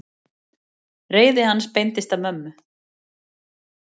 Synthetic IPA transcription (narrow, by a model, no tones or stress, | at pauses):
reːjðɪhanːspejnt̪ɪst̪amœmːʏ